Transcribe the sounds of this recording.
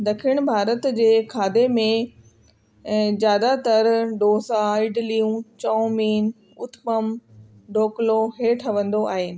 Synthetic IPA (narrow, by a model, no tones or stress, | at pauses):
d̪ɐkʰiɽ̃bʱaːɾət̪d͡ʑeːkʰaːd̪emẽ | zjaːd̪at̪ɐɾɖoːsaɪɖlijũːt͡ɕɐːmiːn | ʊt̪məm | ɖʱoːkloɦeːʈʰɐʋə̃nd̪oʔaːɦeːnɪ̆